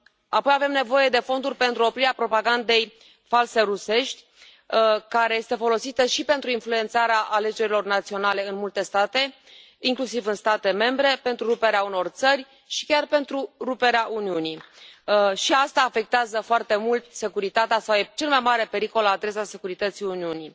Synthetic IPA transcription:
apo̞jave̞mne̞vo̞je̞d̪e̞fo̞nd̪urʲpe̞nt̪ɾuo̞pɾiɾeapɾo̞paɡand̪e̞j | false̞ɾuse̞ʃt̪ʲ | kaɾe̞je̞st̪e̞fo̞lo̞sit̪əʃipe̞nt̪ɾuinflue̞nt̪saɾeaʔale̞d͡ʒe̞ɾilo̞rnat̪sio̞nale̞ɨnmult̪e̞st̪at̪e̞ | iŋklusivɨnst̪at̪e̞me̞mbɾe̞pe̞nt̪ɾuɾupe̞ɾeauno̞rt̪sərʲ | ʃi̥kʲarpe̞nt̪ɾuɾupe̞ɾeaʔuniuni | ʃiast̪aːfe̞k̚t̪eazəfoart̪e̞mult̪se̞kuɾit̪at̪easawet͡ʃe̞lmajmaɾe̞pe̞ɾiko̞laad̪ɾe̞sase̞kuɾit̪ət̪siuniuni

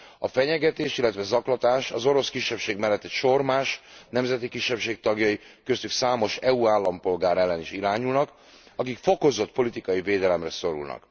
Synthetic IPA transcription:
ɒfɛɲɛɡɛt̪eːʃilːɛt̪ʋɛzɒklɒt̪aːʃɒzo̞ɾo̞skiʃːɛpʃeːɡmɛlːɛt̪ɛtʃo̞rmaːʃnɛmzɛt̪ikiʃːɛpʃeːk̚t̪ɒɡjɒjikø̞st̪yksaːmo̞ʃɛuaːlːɒmpo̞lɡaːɾɛlːɛniʃiɾaːɲulnɒk | ɒkikfo̞ko̞zo̞t̪̚po̞lit̪ikɒjiveːd̪ɛlɛmrɛso̞ɾṵlnɒ̰k

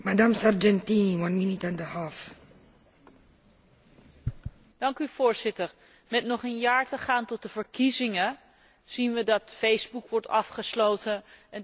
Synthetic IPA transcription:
mad̪ãmsaɾd͡ʒɛ̃nt̪ĩnwãnminit̪ãnd̪əhaf | d̥ɑŋkyv̥ʊːɹz̥ɪtəɹ | mɛtnɔχənjaːɹtəχaːntɔt̚dəvəɹkizɪŋə | z̥inʋədɑtfejzbukʋɔɹtɑfχəslowtəɛn

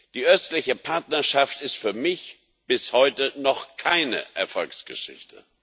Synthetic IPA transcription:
d̥iːʔœstlɪçəpʰaɐtnɐʃaftɪstfyːɐmɪç | b̥ɪshɔʏtənɔχkʰaɪnə̰ʔɛɐfɔlksɡ̥əʃɪ̰çtʰə

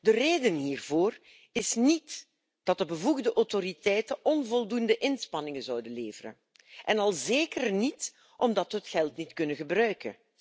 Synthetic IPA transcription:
dəreːdənɦiːrvoːr | ɪsnit | d̥ɑt̚dəbəvuɣdəʔɔwtoɾitɛjtəʔɔnvɔlˠdundəʔɪnspɑnɪŋəzɔwdənleːvərə̰n | ʔɛnɑlˠzeːkərnit | ʔɔmdɑtʋəɦətxɛlˠtnitkɵnəɣəbrœɥkə̰n

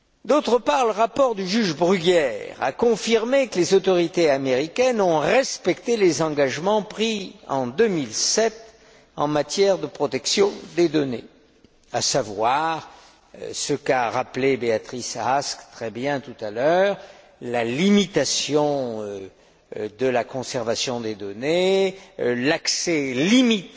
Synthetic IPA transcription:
d̪ot̪χəpaʁləʁapɔʁd̪yʒyʒbʁyɡɛʁa̰kɔ̃fiʁmekəlezot̪ɔʁit̪eameʁikʲɛnɔ̃ʁɛspɛkt̪elezɑ̃ɡaʒmɑ̃pχiɑ̰̃d̪ømilsɛt̪ | ɑ̰̃mat̪jɛʁd̪əpχɔt̪ɛksjɔ̃d̪ed̪ɔne | a̰savwaʁ | səkaʁaplebeat̪χisaskt̪χɛbjɛ̃t̪ut̪alœːʁ | lalimit̪asjɔ̃ | d̪əlakɔ̃sɛʁvasjɔ̃d̪ed̪ɔne | laksɛlimit̪

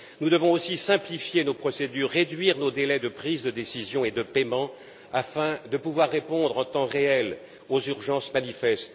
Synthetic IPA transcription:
nud̪əvɔ̃osisɛ̃plifjenopχɔsed̪yːʁːed̪ɥiʁnod̪elɛd̪əpχizd̪əd̪esizjɔ̃ed̪əpɛmɑ̃ | afɛ̃d̪əpuvwaʁːepɔ̃d̪ʁɑ̃t̪ɑ̃ʁeɛl | ozyʁʒɑ̃smanifɛst̪

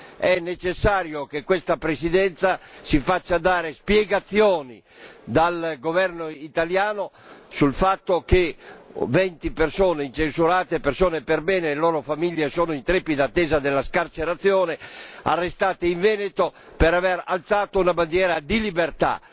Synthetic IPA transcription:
ɛnːet͡ʃesːaːɾjokekːwest̪apɾesid̪ɛnt̪sasifat͡ʃːad̪aːɾespjɛɡat̪sjɔːnḭ | d̪alɡovɛrnoit̪aljaːno | sulfat̪ːokevɛnt̪ipersɔːneint͡ʃensuɾaːt̪epersɔːnepeɾbɛːneːloːɾofamiljesɔːnoint̪ɾepːid̪at̪ːɛːzad̪elːaskart͡ʃeɾat̪sːjɔːnea̰rːest̪aːt̪eiɱvɛːnet̪o | pɛɾavɛɾalt̪saːt̪ounaband̪jɛːɾad̪ilibert̪a̰

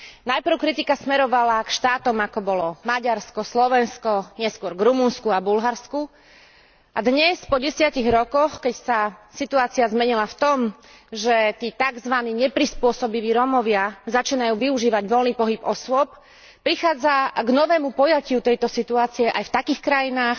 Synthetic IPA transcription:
najpɾ̩ʊkɾit̪ikasmɛɾɔʋalakʃt̪aːt̪ɔmakɔbɔlɔmaɟaɾskɔslɔʋɛnskɔɲɪɛskʊɔɾɡɾumunskuabulɦaɾsku | ʔad̪ɲɛspɔɟɛsɪaciɣɾɔkɔxkɛcsasit̪uaːt͡siazmɛɲilaft̪ɔm | ʒɛt̪iːt̪aɡzʋaniːɲɛpɾispʊɔsɔbiʋiːɾɔmɔʋɪazat͡ʃiːnajuːʋiuʒiːʋaɟʋɔlniːpɔɦibɔsʊɔp̚ | pɾixaːd͡zaɡnɔʋɛːmupɔjacɪut̪ɛjt̪ɔsit̪uaːt͡siɛʔajft̪akiːxkɾajinaːx

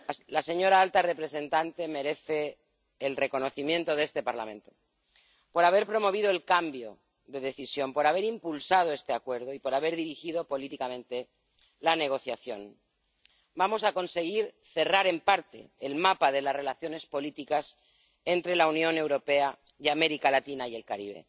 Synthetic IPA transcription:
lase̞ɲo̞ɾaalt̪are̞pɾe̞se̞nt̪ant̪e̞meɾe̞θe̞ː | lre̞ko̞no̞θimje̞nt̪o̞ðe̞st̪e̞paɾla̰mẽ̞nt̪o̞ | po̞ɾaβ̞e̞ɾpɾo̞mo̞βið̞o̞e̞lkambjo̞ | ðe̞ðe̞θisjo̞mpo̞ɾaβe̞ɾimpulsað̞oe̞st̪eakwe̞ɾð̞oipo̞ɾaβ̞e̞ɾðiɾixið̞o̞po̞lit̪ikamẽ̞nt̪e̞ | lane̞ɣ̞o̞θjaθjo̞̰n | bamo̞sako̞nse̞ɣ̞iɾ | θe̞raɾe̞mpaɾt̪e̞̰ːlmapaðe̞lasre̞laθjo̞ne̞spo̞lit̪ikas | e̞nt̪ɾe̞launjõ̞ne̞wɾo̞pe̞a | iame̞ɾikalat̪inaje̞lkaɾiβe̞̰

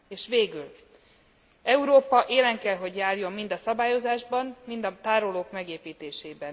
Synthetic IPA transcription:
eːʃʋeːɡyl | ɛuɾoːpɒʔeːlɛŋkɛlɦo̞ɟjaːrjo̞mːind̪ɒsɒbaːjo̞zaːʒbɒnmind̪ɒt̪aːɾoloːkmɛɡeːpiːt̪eːʃeːbɛn

